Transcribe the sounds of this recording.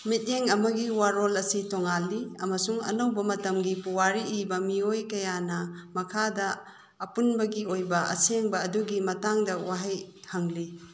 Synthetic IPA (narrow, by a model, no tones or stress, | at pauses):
mit̚eŋɐmɐɡiwaɾolɐsitoŋalːiɐmɐsuŋɐ̰nɐwbɐmɐtɐmɡipuwaɾiʔːbɐmiojkɐjanɐmɐkʰadɐː | punbɐɡiojbɐɐ̰seŋbɐːduɡimɐtaŋdɐwaɦajhɐŋli